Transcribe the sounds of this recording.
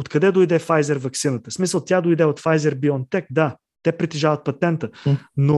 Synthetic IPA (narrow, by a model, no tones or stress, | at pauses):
ot̪kɐd̪ɛd̪ojd̪ɛfajzɛɾvɐksinət̪əsmisəlˠt̪jad̪ojd̪ɛot̪fajzɛɾbiont̪ɛk̚d̪a | t̪ɛpɾit̪iʒavət̪̚pɐt̪ɛnt̪əno